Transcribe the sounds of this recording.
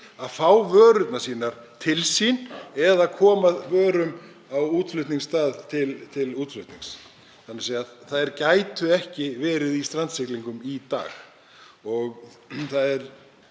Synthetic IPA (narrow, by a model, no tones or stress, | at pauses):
aðfaːwvœːɾʏt̪nasiːnaɾ̥ | t̪ʰɪlsinɛðaðkʰɔːmavœːɾʏm | awuːt̪lʏht̪niŋst̪aːðt̪ʰɪlt̪ʰɪluːt̪lʏht̪niŋs | θanːɪɾseːjaθaðɛɾcaːjt̪ʏɛhcɪvɛːɾɪðist̪ɾant̪sɪkliŋkʏmit̪a̰ːx | ɔɣ | θaðɛɾ̥